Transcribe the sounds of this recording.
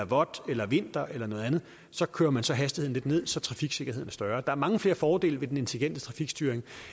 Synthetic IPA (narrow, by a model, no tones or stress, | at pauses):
ʋɒ̽d̥elɐʋe̝n̰d̥ɐʔelɐnɔ̽ːð̞ˠænð̩ˠ | sɒ̽kʰøːɐmænsɒ̽ɦæsd̥i̥heðˠn̩le̝d̥ne̝ð̰ˠsɒ̽t͡sʰʁɑ̈fiɡ̥se̝ɡ̥ɐheð̰ˠn̩ɐsd̥ɶɐd̥ɑ̈æɐmɑ̈ŋəfle̝ːɐfɒːd̥e̝̰ːləʋe̝d̥ene̝nt͡sʰe̝liɡen̰d̥ə̥t͡sʰʁɑ̈fiɡ̥sd̥yːɐeŋ